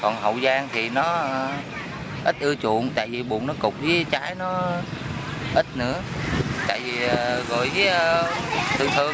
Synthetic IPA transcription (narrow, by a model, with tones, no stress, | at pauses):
kɔ˨˩nɦə̰˧˨wzaː˧ŋt̪ʰi˨˩nɔ˨˦ | ʔi˦˥t̚ʔɨ˧ət͡ɕṵ˧˨ənt̪a̰ː˧˨jvi˨˩ɓu˨˩ənɔ˨˦kʊ˨˩k͡p̚zəː˨˦jt͡ɕaː˨˦jnɔ˨˦ | ʔi˦˥t̚nɨ̰˧˥ət̪a̰ː˧˨jvi˨˩˨ɣɔ̰˧˨jvəː˨˦jt̪ʰɨ˨əŋt̪ʰɨ˨˩əŋ